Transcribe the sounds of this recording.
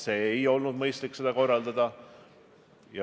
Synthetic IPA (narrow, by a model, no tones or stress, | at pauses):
se̞ːejo̞lnud̪mɤjst̪likːse̞d̪ɑko̞rːɑld̪̥ɑd̪̥ɑ | jɑ